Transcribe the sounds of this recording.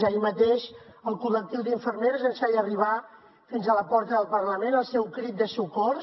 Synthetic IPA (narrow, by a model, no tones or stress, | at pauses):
əimət̪eʃəlˠkulək̚t̪iwd̪iɱfəɾmeɾzənsajəriβ̞a | finzələpɔɾt̪əðəlˠpərləmenəlˠsɛwkɾit̪̚d̪əsukɔr